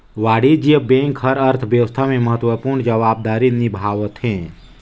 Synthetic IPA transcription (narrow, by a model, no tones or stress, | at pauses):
ʋaːɽid͡ʒijəbẽŋkɦəɾəɾt̪ʰʋjəʋəst̪ʰamẽməɦət̪ʋəpuɾɳd͡ʒəʋaːb̚d̪aɾinibʱaːʋət̪ʰɦẽ